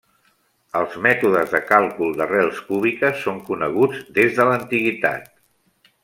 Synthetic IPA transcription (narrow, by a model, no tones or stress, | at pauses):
əlˠzmɛt̪uðəzðəkalˠkulˠd̪ərɛlˠskuβikəsːoŋkunəɣ̞ud͡zd̪ezðələnt̪iɣit̪a̰t̪̚